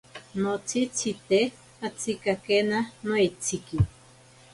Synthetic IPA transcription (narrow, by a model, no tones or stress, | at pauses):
not͡sʰit͡sʰit̪e | at͡sʰikakenanoit͡sʰiki